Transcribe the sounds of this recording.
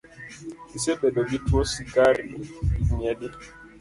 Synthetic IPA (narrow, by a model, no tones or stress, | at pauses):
isebɛbɛbitosiɡaɾiimjɛdi